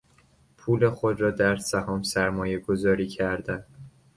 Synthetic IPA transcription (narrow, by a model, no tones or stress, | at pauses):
pʰuːle̞xod̪ɾɒːd̪æɾsæhɒːmsæɾmɒːje̞ɡo̞zɒːɾiːcʰæɾd̪æn